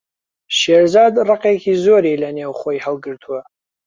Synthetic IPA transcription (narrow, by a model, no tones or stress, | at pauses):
ʃerzadraqʼekʲʰizoɾelanewχʷaiħalɡɨrtʰwa